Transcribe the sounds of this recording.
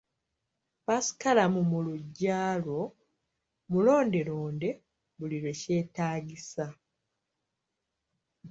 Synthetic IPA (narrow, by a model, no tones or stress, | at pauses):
pasi̥kalamumuluɟːaːlo̞ | mulo̞ːnde̞ɾo̞ːnde̞ | βuliɾwe̞ce̞ːtaːɟisa